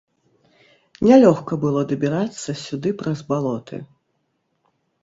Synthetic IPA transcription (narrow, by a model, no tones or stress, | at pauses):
nʲɛlʲɔxkɐbɨlˠɔd̪ɐbʲiɾat̪sːɐsʲud̪ɨpɾɐzbalˠɔt̪ʰɨ̰